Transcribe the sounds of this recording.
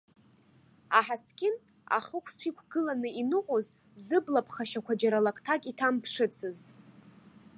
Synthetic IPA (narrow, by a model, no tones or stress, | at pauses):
aħaskʲʼɪn | a̰χəkʷʰsʷikʷʰɡɨlanɨinɨqʷʼoz | zɨblapʰχaʃakʷʰad͡ʒaɾalakʼtʰakʼitʰampʰʂɨt͡sʰɨz